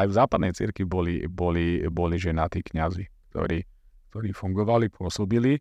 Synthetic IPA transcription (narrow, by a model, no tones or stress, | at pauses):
ajvzaːpad̪nɛjt͡sḭɾkʋibɔlḭbɔlibɔliʒɛnat̪iːkɲazikt̪ɔ̰ɾiː | kt̪ɔɾiːfuŋɡɔʋalipʊɔsɔbili